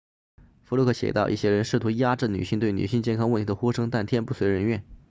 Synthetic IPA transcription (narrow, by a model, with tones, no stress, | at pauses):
fu˧˥lɔ˥kʰɤ˥˩ɕjɛ̰˨˩t̪ɑ˥˧ʊʔi˥˩ɕjɛ˥ɻə˧˥nʂɻ̩˥˩t̪ʰu˧˥ja˥ʈ͡ʂɻ̩˥˩ny̰˨˩ɕi˥˧ŋt̪we˥˩ɪny̰˨˩ɕi˥˧ŋt͡ɕjɛ˥˩nkʰɑ˥ŋwə˥˩nt̪ʰi˧˥d̪ə˧xu˥ʂɤ˥ŋt̪a˥˩nt̪ʰjɛ˥˧npu˥˩swe˧˥ɪɻə˧˥nɥɛ˥˩n